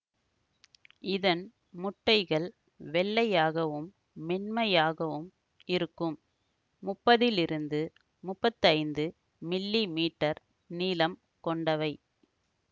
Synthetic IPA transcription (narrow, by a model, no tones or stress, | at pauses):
ɪðɐn | mʊʈːɐɪɣɐɭ | ʋɛɭːɐjaːɣɐʋɯmː | ɛnmɐjaːɣɐʋɯm | ɪɾɯkːɯmː | ʊpːɐðɪlɪɾɯnd̪ɯ | mʊpːɐt̪ːɐɪnd̪ɯ | mɪlːimiːʈːɐɾ | niːlɐm | kɔɳɖɐʋɐɪ